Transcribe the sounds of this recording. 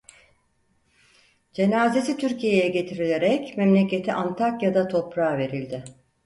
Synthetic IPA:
d͡ʒe̞naːzesit̪ʰyɾcijejɛɟe̞t̪ʰiɾilʲe̞ɾɛcmɛmlʲece̞t̪ʰiʔant̪ʰakjad̪at̪ʰo̞pɾaːve̞ɾilʲd̪ɪ

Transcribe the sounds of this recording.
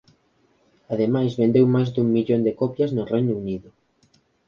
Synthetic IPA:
aðemajzβẽnd̪ewmajzd̪uŋmiʎond̪ekɔpjɐznʊrejnʊuniðʊ

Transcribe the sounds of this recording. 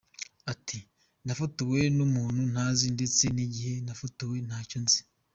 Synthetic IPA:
atʰi | nafutuwe̞numuːnhunhaːzinde̞t͡se̞niɟihe̞nafutuwe̞n̥haːconzi

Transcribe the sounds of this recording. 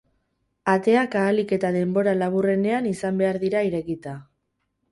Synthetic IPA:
at̪e̞akaːlike̞t̪að̞e̞mbo̞ɾalaβ̞ure̞ne̞anisambe̞aɾðiɾaiɾe̞kit̪a

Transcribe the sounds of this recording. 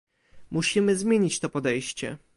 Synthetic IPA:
muɕimɘzmʲjeɲit͡ɕt̪ɔpɔd̪ɛjɕt͡ɕɛ̰

